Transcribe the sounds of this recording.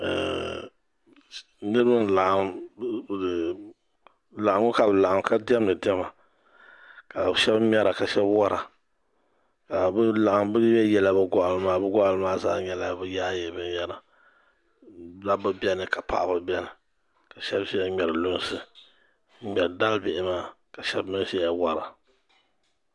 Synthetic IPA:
nɨ˦ɾɨ˦bɨ˦n˨la˨ʔa˨m˦˨ | la˨a˨˦ŋʊ˦ka˨bɨ˨la˨ʔa˨mka˦dɪ˦ɛ˦mnɨ˨dɛ˦ma˨ | ka˨ʃɛ˦bmʲ˦ɛ˦ɾa˨ka˨ʃɛ˦bwa˦ɾa˨ | ka˨bɨ˦la˨ʔa˨mbɨ˦ɛ˦jɛ˦la˦bɨ˦ɡɔ˨ʔa˨lɨ˨maː˦bɨ˦ɡɔ˦ʔa˨lɨ˦maː˦zaː˦ɲɛ˦la˦bɨ˦jaː˦je˦bɨ˦jɛ˦la˨ | la˦bɨ˦bɛ˦nɨ˨ka˨pa̰˦ʔa˨bɨ˦bɛ˦nɨ˨ | ka˨ʃɛ˦bʃi˦ɲɛ˨ɾɨ˨lʊ˦n˦sɨ˦ | mɛ˨ɾda˦lbɪ˨ʔɪ˦maː˦ | ka˨ʃɛ˦bmɨ˦ʃɛ˦a˦wa˦ɾa˨

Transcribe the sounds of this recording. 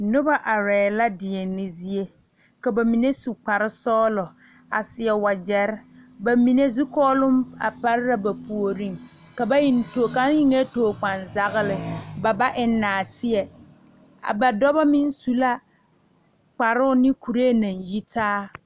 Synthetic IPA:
nʊ˦ba˦ʔa˨ɾɛː˨la˦dɪ˨ɛ˨nɪ˦zi˦e˦ | ka˨ba˨mi˨ne˦su˨k͡pa˨ɾɪ˦sɔː˦lɔ˨ | a̰˨sɪ˨ɛ˨wa˨d͡ʒɛ˨ɾɪ˦ba˨mi˨ne˦zu˦kɔː˦lʊ˦ma̰˨pa˦ɾɪ˦ɾa˦ba˨pu˨o˨ɾi˦ŋka˨ba˦ji˦nto˨ka˨˦jɪ˦ŋe˦toː˨k͡pa˨nza˦ɣɪ˦lɪ˨ba˨ba˦ʔɪ˨˦nːaː˨tɪ˦ɛ˨ | a̰˨ba˨dɔ˦ba˦mɪ˦n˦su˦la˦ | k͡pa˨ɾʊ˦ʊ˦nɪ˦ku˨ɾe˦e˦nã˨nji˦tʰaː˦

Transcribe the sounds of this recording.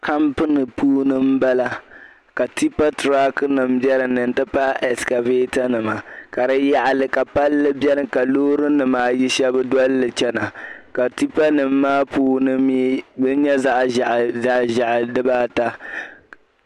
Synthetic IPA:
ka˦mpɨ˦nɨ˨puː˦nɨ˦m˦ba˦la˦ | ka˨ti˦pa˦tɾa˦knɨ˨mbɛ˦ɾɨ˨nɨ˨n̩˨tɨ˦pa˦ʔɛ˨ska˨ve˦ta˦nɨ˨ma˨ka˨ɾɨ˦ja˦ʔa˨lɨ˦ka˨pa˦lːɨ˦bjɛ˦ɾɨ˦ka˨loː˦ɾɨ˦nɨ˨maː˦˨ji˦ʃɛ˦bɨ˦dɔ˦lːɨ˨t͡ʃɛ˦na˨ka˨ti˦pa˦nɨ˨m̩ːaː˦puː˦nɨ˦mjbɨ˦ɲ˦ɲɛ˦za˦ʔʔa˦˨ʒa˦˨ʔa˨dɨ˦baː˦ta˦

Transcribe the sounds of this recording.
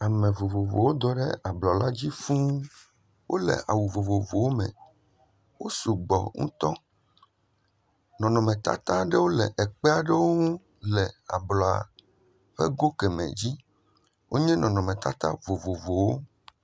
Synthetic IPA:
a˨mẽ˨vo˨vo˨vo̰˨wo˦d̪ɔ˨ɖɛ˦a˨blɔ˨la˦d͡ʑi˦fũ˦ | wʔo˦lɛ̰˨ʔa˨wu˨vo˨vo˨vo˨wo˦mɛ̰̃˨ | wo˦su˨ɡ͡bɔ̰˨ŋṵ̃˦t̪ɔ˦ | nɔ̃˨nɔ̃˨mɛ̃˨t̪a̰˦t̪ã˦ɖe˦wo˦lḛ˨ʔɛ˨k͡pɛ˦a˨ɖe˦wo˦ŋũ˦ | lɛ˨a̰˨blɔ˨a̰˨ | ɸḛ˦ɡo˦kɛ˨mḛ̃˨d͡ʑi˦ | wʔo˦ɲɛ̃˦nɔ̃˨nɔ̃˨mẽ˨t̪a˦t̪a̰˦vo˨vo˨vo˨wo˦

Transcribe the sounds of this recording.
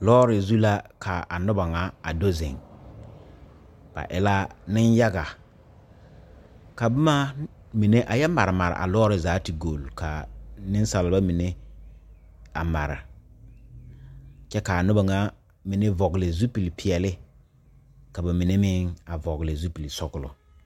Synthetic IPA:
lɔː˦ɾɪ˨zu˦la˦kʰa˨a˨nʊ˦ba˨ŋa˨˦a˨do˦zɪ̰˨ŋ | b̥a̰˨ʔɪ˨la˦nɪ˦nja˦ɡa˨ | ka˨bʊ˦ma˦ | mi˨ne˦ʔa˨jɛ˦ma˨ɾɪ˨ma˨ɾɪ̰˨ʔa̰˨lɔː˦ɾɪ˨zaː˨˦ti˨ɡo˨lka˨nɪ˦n˦sa˨lɪ˨˦ba˦mi˨ne˦ | a˨ma˨ɾɪ̰˨ | t͡ʃɛ˦ka˨a˨nʊ˦ba˨ŋa˦ | mi˨ne˦vɔ˨ɡɪ˨lɪ˨zu˦pi˨lpʰɪ˨ɛ˨lɪ˦ | ka˨ba˨mi˨ne˦mɪ˦ŋa˨vɔ˨ɣlɪ˨zu˦pi˨li˨sɔ˦ɡʊ˦lʊ̰˨

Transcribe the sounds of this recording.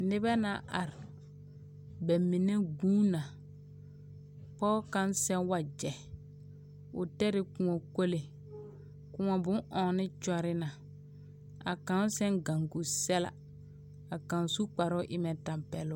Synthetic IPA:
nɪ˦bɛ˦na̰˦˨ʔa̰˨ɾɪ˨ | bɛ˨mːi˨ne˦ɡuː˦na˨ | pɔː˦ka˦nsɛ˦wa˨d͡ʒɛ˨ | ʊ̰˨tɛ˦ɾɪ˨kʊ˨ŋɔ˨ko˦le˨ | kʊ˨ŋɔ˨bʊ̃˦ʔɔː˨nɪ˦t͡ʃɔ˦ɾɪ˦na˨ | a˨kã˨n˦sɛ˦ŋɡa˨ŋɡu˨sɛ˦la̰˨ | a˨kã˨n˨su˦k͡pa˨ɾʊ˦ʔɪ˦mɛ˨ta˨mpɛ˨lʊ˦

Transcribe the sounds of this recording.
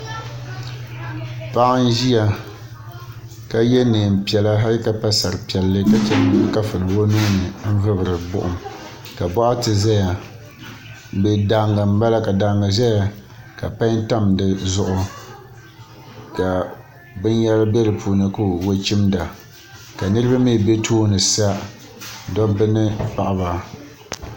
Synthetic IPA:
pa˦ʔa˦n˦ʒi˦a˨ | ka˦jɛ˦neː˨m˨pi˨ɛ˨la˦ɦa˦ɾɨ˦ka˦pa˦sa˨ɾɨ˨pi˨ɛ˨lːɨ˦ka˨t͡ʃɛ˨n˨bɨ˦ŋ˦ka˦fɨ˨nɨ˨wo˦nu˦nɨ˨m̩˦vɨ˦bɨ˨ɾɨ˨bʊ̰˦ʔʊ˨m | ka˨bɔ˦ʔa˦tɨ˨za˦ja˨ | bɛ˨da˨ŋɡa˨m̩˦ba˦la˦ka˨da˨˦ŋɡa˨za˦ja˨ | ka˨pa˦nta˦mdɨ˨zʊ˦ʔʊ˦ | ka˨ | bɨ˦n˦jɛ˦la˦bɛ˦lɨ˨puː˨nɨ˦ku˦wo˦t͡ʃi˦mda˨ | ka˨nɨ˦ɾɨ˦ba˦mi˦˨be˦tʰoː˦nɨ˨sa˦ | dɔ˦bɨ˦nɨ˦pa˨ʔa˦ba˦

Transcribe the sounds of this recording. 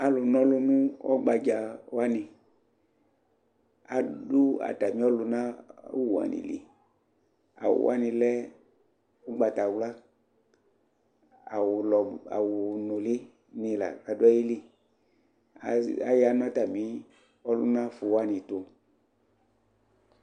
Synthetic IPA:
a˨lʊ˨nɔ̃˦lʊ˦nũ˦ɔ̰˦ɡ͡ba˧d͡ʒa˧wa˦nĩ˨ | a˨du˦a̰˨ta˨mĩ˨˦ɔ˦lʊ˧nã˦wu˨a̰˨nḭ˨lḭ˨ | a̰˨wʊ̰˨wʔa̰˦nĩ˧lɛ˦ | u˦ɡ͡ba˨ta˨wla˦ | a˨lɔ˨a̰˨wʊ˨no˨li˦ | ni˧la̰˨a˨du˦a˦ji˦li˦ | a˨a˨ja˨˦nɔ˦ta˨mĩ˨˦ | ɔ˦lu˦nã˦fu˨˧wa˦nĩ˨to˧

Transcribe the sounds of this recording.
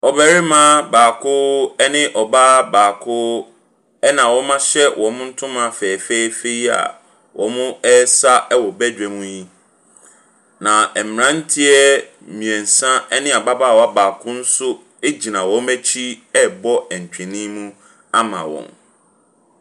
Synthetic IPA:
ɔ˨bɛ˨ɾɪ˦mã˦baː˨kʰʊ˦ɛ˦nɪ̃˦ʔɔ˨baː˦baː˨kʰʊ˦ | ɛ˦nã˨wɔ˦mã˦ɕɛ˦wʔɔ̃˨˦mʊ̃˦n̩˦tʰʊ̃˦mã˨fɛː˨fe˦i˦fe˦i˦a̰˨ | wʔɔ̃˨mʊ̃˦ɛ˦sa˦ɛ˦wɔ˨bɛ˦d͡ʑᶣɛ˨mũ˦ji˦ | nã˨ɛ˨m˨ã˦n̩˦tʰi˦ɛ˦ | mĩ˨ɛ̃˨n̩˨sã˦ɛ˦nɪ̃˦a˨ba˦baː˦˨wa˦baː˨kʰʊ̃˦n̩˦sʊ˦ | e˦d͡ʑi˨nã˨wɔ̃˦mɛ˦t͡ɕʰi˦ɛ˦bɔ˦ɛ˨ɲ̩˨t͡ɕᶣɛ̃˨nĩ˦mũ˦ | a˦mã̰˨wɔ̰̃˨m

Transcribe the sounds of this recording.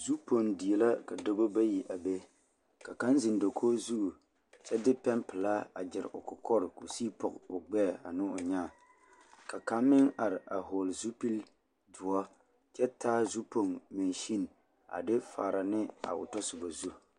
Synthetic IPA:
zu˦pʰo˨ŋdi˨ɛ˨la˦ka˨do˦bo˦ba˦ji˨ʔa˨be˦ | ka˨ka˦nzɪ˨ndo˨kʰoː˦zu˦ʔu˨ | t͡ʃɛ˦dɪ˦pɛ˦mpɪ˨la˦a̰˨d͡ʒɪ˨ɾ̰ʔʊ˨kʊ˨kʰɔ˦ɾko˨siː˦pɔ̰˨kʊ˨ɡ͡bɛ˦˨a˨nɪ˦ʊ˨ɲaː˦˨ | ka˨ka˦mmɪ˦ŋa˨ɾɪ˨ʔa˨ɦo˨lzu˦pi˦l | dʊ˨ɔ˦ | t͡ʃɛ˦taː˦zu˦po˨ŋme˨nʃi˦n | a̰˨dɪ˦fa̰ː˨ɾa˨nɪ˦a̰˨ʊ̰˨tɔ˦sʊ˨ba˨zu˦

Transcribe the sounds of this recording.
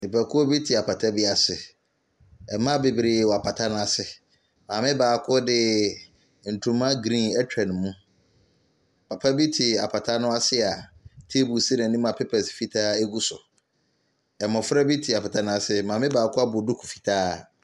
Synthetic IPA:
nĩ˨pʰæ˨kʰʊ˦ɔ˦bi˦tʰi˨a˨pʰa˨tʰa˦bi˦a˨sɪ˨ | ɛ˨mã˦be˨bi˨ɾi˨wɔ˨a˨pʰa˨tʰa˦nʊ̃˦a˨sɪ˨ | mãː˨mɪ̃˦baː˨˦kʰʊ˦dɪ˦ | n̩˨tʰũ˨mã˦ɡɾĩ˦nɛ˦tᶣʰɛ̃˨nmũ˦ | pʰa˨pʰa˦bi˦tʰi˨a˨pʰa˨tʰa˦nʊ̃˦a˦sɪ˦a˨tʰe˦bu˨sɪ˦nã˨nĩ˦m˦a˨pʰe˦pʰa˨sɪ̥˨fi˦tʰaː˦e˦ɡu˦sʊ˨ | ɛ˨mɔ̃˨fɾa˦bi˦tʰi˨a˨pʰa˨tʰa˦nʊ̃˦a˨sɪ˨mãː˨mɪ̃˦baː˨˦kʰʊ˦a˦bʊ˨dʊ˦kʰu̥˨fi̥˨tʰaː˦

